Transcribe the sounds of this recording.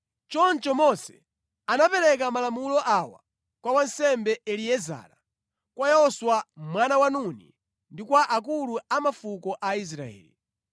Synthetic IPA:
t͡ʃɔnt͡ʃɔmɔsɛ̥ | anapɛɾɛkamalamulɔʔawa̰ | kwawansɛmbɛɛliɛza̰ːɾa | kwajɛɔswamwanawanunḭ | ndikwaʔak̬uluamafukɔʔais̬ɾa̰ɛ̰ːlḭ

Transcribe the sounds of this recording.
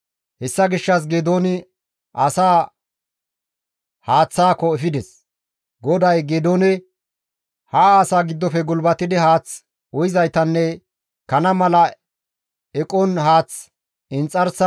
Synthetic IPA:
hɛsːɐɡɪʃːɐs̬ɡeːd̪oːnɪ | ʔɐsaː | haːt͡sːaːkɔɛfɪd̪ɛs | ɡɔd̪ɐjɡeːd̪oːnɪ | haaːsaːɡɪd̪ːɔfɛɡʊlbɐt̪ɪd̪ɪhaːt͡s | ɔjɪzɐjt̪ɐnːɛ | kɐnɐmɐlɐ | ɛkʼɔnɦaːt͡s | ɪnt͡sʼːɐɾs

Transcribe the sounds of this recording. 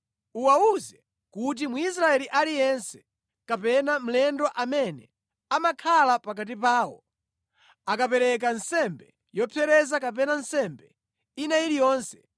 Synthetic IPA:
uwauzɛ | kut̬imuis̬ɾaɛliʔalijɛnsɛ̥ | kapɛnam̩lɛndɔʔamɛnɛ̰ | amakʰalapak̬at̬ipaːwɔ | akapɛɾɛk̬ansɛmbɛ | jɔpʰɛɾɛzakap̬ɛnan̩sɛmbɛ | inailijɔːnsɛ̥

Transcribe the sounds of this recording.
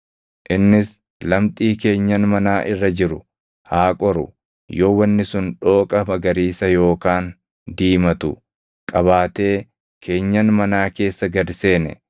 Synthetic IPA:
ʔɪnːɪs | lɐmt̪ʼiːke̞ːɲːɐnmɐnaːʔɪrːɐd͡ʒɪɾʊ | haːkʼɔɾʊ̰ | joːwɐnːɪsʊnᶑo̞ːkʼɐbɐɡɐɾiːsɐjo̞ːkaːn | d̪iːmɐt̪ʊ̰ | kʼɐβaːt̪e̞ː | kʰe̞ːɲːɐnmɐnaːke̞ːsːɐɡɐd̪se̞ːnɛ̰

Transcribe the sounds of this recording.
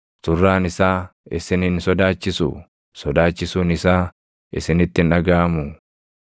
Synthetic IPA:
t̪ʊrːaːnɪsaːɪsɪnɪnsɔd̪aːt͡ʃːɪsʊ̰ | sɔd̪aːt͡ʃːɪsuːnɪsaː | ɪ̰sɪnɪt̪ːɪnɐɡaːɐmʊ

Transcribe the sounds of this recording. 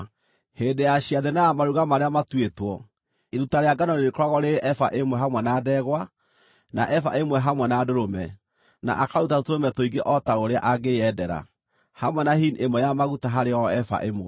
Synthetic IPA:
heːndejaɕiaðenajamaɾuɣamaɾeamatwetwɔ | eɾutaɾeaɡanɔneɾekoɾaɣɔɾeʔɛfa̰ʔemwɛɦamwɛnaːdɛɣwa | na̰ʔɛfa̰emwɛɦamwɛnaːdoɾomɛ | na̰ʔakaɾutatotoɾomɛtoiɡeʔɔtaoɾea̰ʔaɣeɛdɛɾa̰ | hamwɛnaɦinemwɛjamaɣutaɦaɾeɔɛfa̰ʔemoɛ

